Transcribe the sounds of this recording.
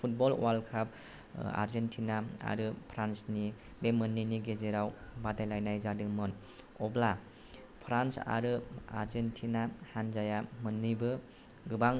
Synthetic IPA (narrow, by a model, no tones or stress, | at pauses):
pʰut̚bɔl̰walkʰap̚ | a̰ɾzentʰinaa̰ɾɯpʰɾansni | bemɯnːiniɡezeɾawbadajlajnajzadɯŋmɯn | ɔbla | pʰɾansa̰ɾɯa̰ɾzentʰinahanzajamɯnːɯjbɯ | ɡɯbaŋ